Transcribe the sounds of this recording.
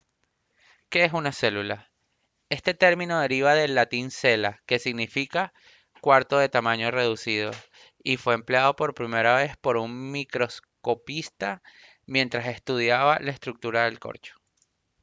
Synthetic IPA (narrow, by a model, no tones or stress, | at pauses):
ke̞esunase̞lula | e̞st̪e̞t̪e̞ɾmĩno̞ð̞e̞ɾiβ̞aðe̞lːat̪inse̞lake̞siɣnifika | kwaɾt̪o̞ðe̞t̪amãɲo̞re̞ðusið̞o̞̰ | ifwe̞empleað̞o̞po̞ɾpɾime̞ɾaβe̞spo̞ɾuŋmikɾo̞sko̞pist̪a | mje̞nt̪ɾase̞st̪uð̞jaβalaest̪ɾuk̚t̪uɾaðe̞lko̞̰ɾt͡ʃo̥